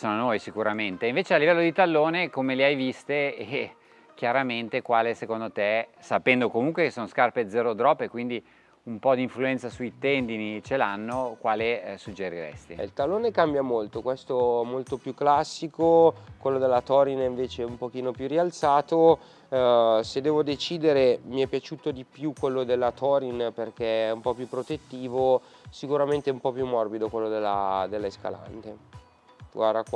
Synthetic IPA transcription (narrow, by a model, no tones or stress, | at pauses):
sononoːjsikuɾament̪eiɱveːt͡ʃealːivɛlːod̪it̪alːoːnekomeleajvist̪eː | kjaɾament̪ekwaːlesekond̪ot̪esapɛnd̪okomuŋkwekesoːnoskarped̪zɛɾod̪ɾɔpːekwind̪i | umpɔd̪iɱfluɛnt̪sasujt̪ɛnd̪init͡ʃelanːokwaːlesud͡ʒeɾiɾɛ̰st̪iilt̪alːoːnekambjamolt̪okwɛst̪oɛmolt̪opjukːlasːikokwelːod̪elːat̪ɔːɾiniɱveːt͡ʃeumpok̟iːnopjurialt̪saːt̪o | sed̪ɛːvod̪et͡ʃiːd̪eɾemiɛpːjat͡ʃuːt̪od̪ipjukwelːod̪elːat̪ʰɔːɾinperk̟ɛɛumpɔpjupːɾot̪et̪ːiːvo | sikuɾament̪ɛumpɔpjumːɔrbid̪okwelːod̪elːa̰d̪elːeska̰la̰nt̪e | ɡwarakw